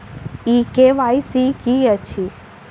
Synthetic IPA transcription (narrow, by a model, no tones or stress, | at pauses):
ikeʋaisikiət͡ʃʰi